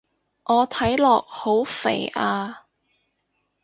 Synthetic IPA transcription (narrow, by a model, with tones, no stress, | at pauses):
ʔɔː˨˧t̪ʰɐ˨˥jlɔː˨k̚ho˨˥wfḛ˨˩jʔaː˧